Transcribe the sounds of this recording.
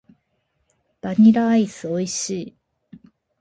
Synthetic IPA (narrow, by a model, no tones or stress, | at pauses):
b̥aɲ̟iɾaisɨo̞iɕiː